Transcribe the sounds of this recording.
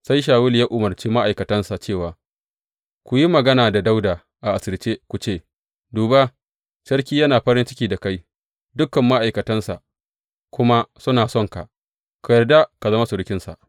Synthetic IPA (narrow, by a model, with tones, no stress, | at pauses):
sa˦jʃ̬aː˨wʊ˦ljaː˦ʔʊ˨mɐ˨rt͡ʃeː˦ma˦ʔa˨jkɐ˨tɐ˦nsa˨t͡ʃeː˦˨waː˨ | kʷu˨ji˦mɐ˨ɡɐ˦naː˨da˨da˦wdaː˨ | ʔa˨ʔa˨sɐ˨lt͡ʃeː˦kʷu˨t͡ʃeː˦˨ | duː˨ba˦ | ʃɐ˦ɽkʲiː˦jɐ˦naː˨ɸɐ˦ɾɪ˦nt͡ʃɪ˦kʲiː˨da˨ka˦j | dʊ˦kːɐ˨mːa˦ʔa˨jkɐ˨tɐ˦nsa̰˨ʔ | kʷʊ˦ma˦sʊ˦naː˨sɔ˦˨ŋka̰˨ʔ | kʷu˨jɐ˨rda˦ka˨zɐ˦ma˦sʊ˨ɽɪ˦kʲɪ˦nsa̰˨ʔ